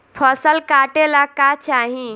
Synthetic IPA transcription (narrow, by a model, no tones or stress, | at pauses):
pʰəsəlkaʈelakat͡ʃaːɦĩ